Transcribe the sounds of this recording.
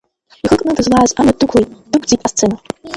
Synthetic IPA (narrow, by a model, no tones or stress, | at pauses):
iχəkʼnɨdɨzlaːzanadukʰʷlˠejtʼd̥ɨkʰʷd͡zitʼast͡sʰena